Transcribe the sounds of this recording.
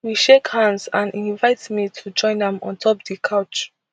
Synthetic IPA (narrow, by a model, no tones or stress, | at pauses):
wiʃekhãndzãnĩnvaɪtmitʰud͡ʒɔ̃ɪ̃nãmɔ̃ntʰɔpdikʰaʊt͡ʃ